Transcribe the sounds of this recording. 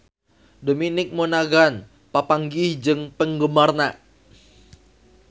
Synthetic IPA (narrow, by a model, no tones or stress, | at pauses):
dominɪk̚monaɡan | papaŋɡihd͡ʒɨŋpəŋɡəmarnaʔ